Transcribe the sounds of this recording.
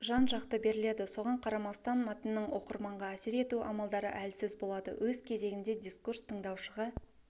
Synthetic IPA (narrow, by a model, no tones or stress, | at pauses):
ʒɑnʒɑqt̪əbe̞ɾɪle̞d̪ɪso̞ʁɑɴqʰɑɾɑmɑst̪ɑnmɑt̪ənːəɴwo̞qəɾmɑɴʁɑæsɪɾe̞t̪uʔɑ̰mɑlˠd̪ɑɾə̰ʔælsɪzbo̞lˠɑd̪ə̰wʔɵzkʲʰe̞ze̞ɡʲɪnd̪e̞d̪ʲiskurst̪ʰəɴd̪ɑwʃəʁə